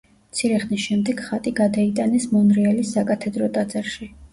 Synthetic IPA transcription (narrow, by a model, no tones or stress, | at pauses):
mt̪sʰiɾɛχnisʃɛmd̪ɛɡχat̪ʼiɡad̪ait̪ʼanɛsmɔnɾialisːakʼat̪ʰɛd̪ɾɔt̪ʼad̪zaɾʃi